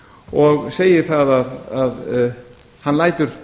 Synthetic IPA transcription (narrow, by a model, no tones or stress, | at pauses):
ɔɣseːjɪ̥θaðaðað | hanːlaːjt̪ʏɾ̥